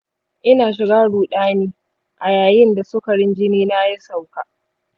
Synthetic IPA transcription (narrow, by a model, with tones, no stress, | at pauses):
ʔɪ˦naː˨ʃ̬ɪ˨ɡaː˦ɽuː˨ɗaː˦niː˦ | ʔa˨jaː˨jɪ˦nda˨sʊ˦kɐ˨ɽɪ˦nd͡ʒɪ˦niː˦na˦ji˦sa˨wkaː˨